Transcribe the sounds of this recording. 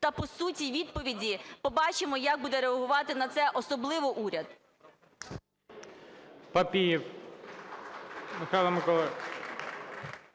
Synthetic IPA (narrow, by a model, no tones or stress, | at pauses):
t̪ɐpɔsutʲiʋʲid̪̚pɔʋʲidʲipɔbɑt͡ʃɪmɔjaɡ̚bud̪ɛɾeɐɦʊʋɑt̪ɪnɐt̪sɛʔɔsɔblˠɪʋɔʔuɾʲɐd̪ | pɐpʲijiw | mɪxajlˠɐmɪkɔlˠɛ